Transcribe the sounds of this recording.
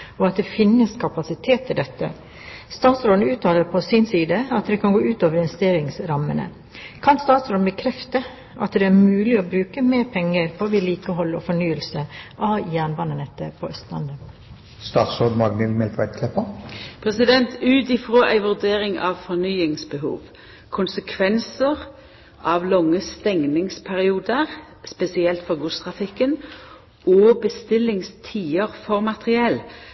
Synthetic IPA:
ɔɑt̪̚d̪ɛfɪnːəskʰɑpɑsɪt̪ʰeːt̪ʰːɪld̪ɛt̪ːə̰ | st̪ɑːt̪sɾoːd̪n̩ʉːt̪ɑːləɾpʰɔsɪnsiːd̪əɑt̪d̪ɛkʰɑnɡoːʉːt̪oːʋəɾɪnʋɛst̪eːɾɪŋsɾɑmə̰nə̰ | kʰɑnst̪ɑːt̪sɾoːd̪n̩bəkʰɾɛft̪ə | ʔɑt̪d̪ɛæɾmʉːlɪɔbɾʉːkəmeːɾpʰɛŋːəɾpʰɔʋiːliːkəhɔlːɔ̰fɔɳyːəlsəʔɑjæːɳʋɑnənɛt̪ːəɾpʰɔœst̪lɑ̰nd̪ə | st̪ɑːt̪soːd̪mɑɡnəlmɛlk̪ʋæɪd̪̚kʰlɛpːəpʰʁɛsɪd̪ɛnt̪ʉːt̪ɪfʁoːʔæɪʋʉʁd̪eːɾɪŋɑ̰ʋfɔnyːɪŋsbəɦṵːʋ | kʰʊnsəkʰʋɛnsəʁ | ʔɑʋlɔŋːəst̪ɛŋnɪŋspʰæʁɪuːd̪əʁ | spɛsɪɛlt̪fɔʁɡuːst̪ʰʁɑfɪkːən | ʔɔbəst̪ɪlːɪŋst̪ʰiːəʁfɔʁmɑt̪ʁɪɛl

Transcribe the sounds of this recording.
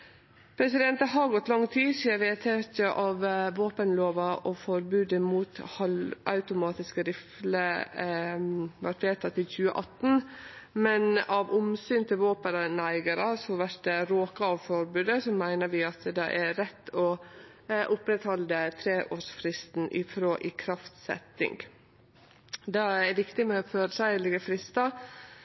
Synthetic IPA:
pʰɾɛsɪd̪ɛnt̪əɦɑɾɡɔt̪ːlɑŋːt̪ʰiːsiːəʋɛt̪ʰeːtəʔɑʋʋoːpənloːʋɑʔɔfɔɾbʉːd̪əmuːt̪hɑlɑ̰ʉt̪ʊmɑːt̪ɪskəɾɪflə | ʋæʈʋeːt̪ʰːɑt̪ːɪçʉːəʔɑt̪ːn̩mɛnɑʋʊmsyːnt̪ʰɪlʋoːpəɾənæɪɡəɾəsɔʋæʈd̪ɛɾoːkɑɑʋfɔɾbʉːd̪əsɔmæɪnəɾʋɪɑt̪d̪ɛʔæɾɛt̪ːɔ | ʔʊpɾɛt̪hɔld̪ət̪ʰɾeːʔoːʂfɾɪst̪n̩ʔɪ̰fɾoːʔɪːkʰɾɑft̪sɛ̰t̪ːɪ̰ŋɡ | d̪ɑæɾʋɪkt̪ɪmɛɔføːɾəsæɪlɪɡəfɾɪst̪ɑ

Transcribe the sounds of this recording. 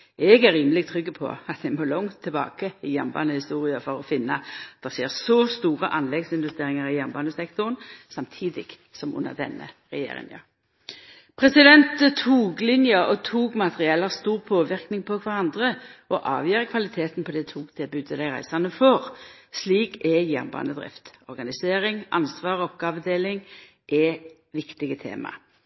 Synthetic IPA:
ɛɡæɾːiːməlɪɡt̪ʰʁʏɡːəpʰɔ̰ɑt̪̚d̪ɛmoːlɔŋt̪ʰːɪlbɑ̰ːkəɪjæʁmbɑ̰ːnəhɪst̪uːʁɪəfɔʁɔfɪnːət̪̚d̪̥ɛʁseːʁsɔst̪uːʁəʔɑnlɛɡsɪnʋʉst̪eːɾɪŋəʁɪjæʁmbɑːnəsɛkt̪ʊʁənsɑmt̪ʰiːd̪ɪɡ̥ | sɔmʊ̰nːə̰ʁd̪ɛ̰nːə̰ | ʁɛjḛːɾɪ̰ŋjɑ̰ʁ | pʰʁɛsɪd̪ɛnt̪ʰuːɡlɪnjɑɔt̪ʰuːɡmɑt̪əʁɪɛlɑʁst̪uːʁpʰoːʋɪʁknɪŋpʰɔkʰʋɑʁɑnd̪ʁəɔʔɑ̰ːʋjœːʁəkʰʋɑlɪt̪ʰeːt̪npʰɔd̪ɛt̪ʰuːɡt̪ʰɪlbʉːd̪əd̪æɪʁæ̰ɪsɑnəfoːʁsliːkɛjæʁnbɑ̰ːnəd̪ʁɪ̰ft̪ɔʁɡɑnɪseːʁɪŋʔɑ̰nsʋɑːʁɔpɡɑːɑʋəd̪eːlɪŋ | ʔɛ | ʋɪkt̪ɪɡət̪ʰḛːmɑ̰

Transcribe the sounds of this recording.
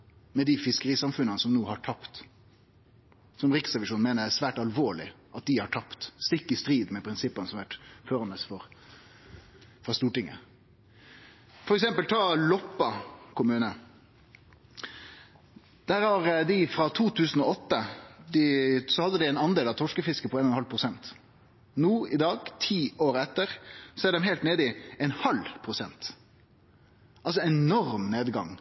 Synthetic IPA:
mɛd̪ɪfɪskəɾiːsɑmfʉnənəsɔmnuːhɑʈʰɑpt̪ | sɔmʁɪksʁɛʋɪʂuːnmeːnədæsʋæːʈɑlʋoːɭɪ̰ | ʔɑt̪̚d̪ɪhɑʈʰɑpt̪st̪ɪkːɪst̪ɾiːd̪mɛpʰɾɪnsɪpːənəsɔmʋæʈføːɾɑnəsfɔɾ | fɾɑst̪uːʈɪŋːə̰ | fɔɾɛksɛmpəlt̪ʰɑːlɔpːɑkʰʊmʉːnə | d̪̥æːɾhɑɾd̪ɪfɾɑt̪ʰuːt̪ʰʉːsən̩ɔɔt̪ːəd̪ɪsɔhɑd̪ːəd̪ɪɛɪnɑnd̪eːlɑʋt̪ʰɔʂkəfɪskəpʰɔeːnɔnhɑlpʰɾʊsɛnt̪ | nuːɪd̪ɑːɡt̪ʰiːoːɾɛt̪ːəʁsɔɛɖɛmɦɛɪlt̪neːd̪ɪɛnhɑlpʰɾʊsɛnt̪ | ʔɑls̬ɔɛnnɔɾmneːd̪ɡɑ̰ŋ

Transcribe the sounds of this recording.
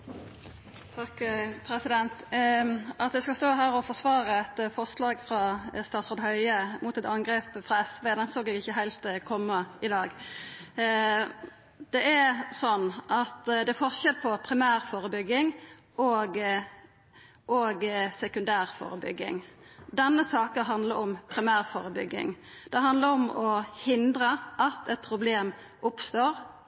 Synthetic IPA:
t̪ʰɑkpʰɾɛsɪd̪ɛnt̪ | ʔɑt̪̚d̪ɛskɑst̪oːɦæːɾɔfɔsʋɑːʁəɛt̪fɔʁslɑːɡfʁɑst̪ɑːt̪sɔʁd̪hœʏəmʔʊt̪ɛt̪ɑŋɡɾeːpfʁɑɛsʋeːd̪ɛnsoːɡɛɡɪçːəɦæɪlt̪kʰɔmːəɪd̪ɑːɡ | d̪̥ɛʔɛsɔnːʔɑt̪d̪ɛæfɔʁʃɛd̪̚pʰɔpʰɾɪmæːɾfoːɾəbʏɡːɪŋ | ʔɔɡ | ʔoɡsɛkʉnd̪æːʁfo̰ːɾəbʏ̰ɡːɪ̰ŋd̪ɛnːəsɑːkəɦɑnd̪ləɾɔmpʰɾɪmæːʁfoːɾəbʏɡːɪ̰ŋd̪̥ɛɦɑnd̪ləɾɔmɔhɪnd̪ɾəʔɑt̪ʰɛt̪̚pʰɾʊbleːm | ʊpst̪oːɾ

